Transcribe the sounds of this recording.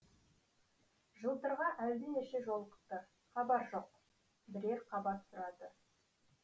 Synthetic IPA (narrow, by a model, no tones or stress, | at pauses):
ʒəlˠt̪əɾʁɑʔæwd̪ɪneʃeʒo̞lˠqə̥qt̪ːə | χɑbɑɾʒo̞q | bɪɾe̞ɾqʰɑbɑt̪sʊɾɑd̪ə